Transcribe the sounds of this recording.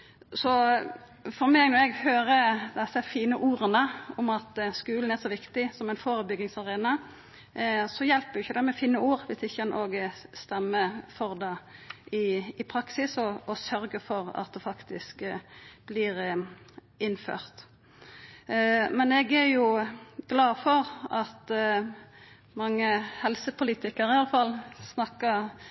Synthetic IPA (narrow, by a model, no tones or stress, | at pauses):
sɔ | fɔɾmeːɡnɔɛɡhøːɾəd̪ɛsːəfiːnəʔuːɾənəʊmɑt̪skʉːln̩æɾʂɔʋɪkt̪ɪsɔmæɪnfoːɾəbʏɡɪŋsɑʁeːnɑ | sɔjɛlpəɾjɪçːəd̪ɛmɛfɪnːəuːɾʋɪsɪçənʔɔɡst̪ɛmːəfɔʁd̪ɛɪɪpʰɾɑksɪsɔɔsœɾɡəfɔʁɑ̰t̪̚d̪ɛfɑkt̪ɪskb̥lɪʁ | ɪnːfø̰ːʁt̪ | mɛnɛɡæɾjʊɡ̥lɑːfɔʁɑt̪ | mɑŋːəhɛlsəpʊliːt̪ɪkəɾɪjɑləfɑlːsnɑkːə